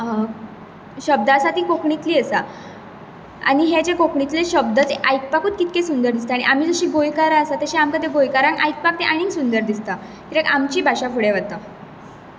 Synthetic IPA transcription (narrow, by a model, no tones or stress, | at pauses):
ɕəb̚d̪əasat̪iːkokɳit̪liːəsa | a̰ɽ̃iɦed͡ʑekokɳit̪leɕəb̚d̪ət͡seʔajk̚pakuːt̪̚kit̪̚kesund̪əɾd̪ist̪aɽ̃iʔam̤iːd͡zəɕiːɡojkaɾaəsat̪aɕẽamkəd̪ʱeɡojkaɾãŋkajk̚pak̚t̪eʔaɽ̃iŋsund̪əɾd̪ist̪a | kit̪ẽkamt͡ɕiːbʱaɕafuɽeʋət̪a